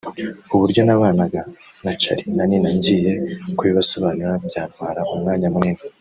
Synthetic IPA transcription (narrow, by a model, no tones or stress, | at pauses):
uβuɾɟo̞naβaːnaɡa | nat͡ʃa̰ɾinaninaɲɟiːje̞kwβiβaso̞βaːnuɾabjaːn̥hwaːɾaumŋaːɲamŋini